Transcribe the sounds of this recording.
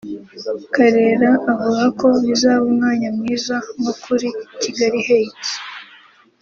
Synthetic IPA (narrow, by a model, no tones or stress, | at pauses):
kaɾe̞ɾaːvuɡako̞βizaːβumŋaːɲamŋiːzaŋokʰuɾiciɡaɾiheiti̥